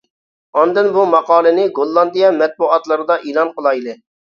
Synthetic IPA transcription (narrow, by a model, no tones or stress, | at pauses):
ɑnd̪ɪnbumɑqɑːlˠɨnɪɡolˠːɑnd̪ijɑmɛt̪̚buɑt̪lˠɨɾɨd̪ɑʔiːlˠɑnqəlˠɑjlɪ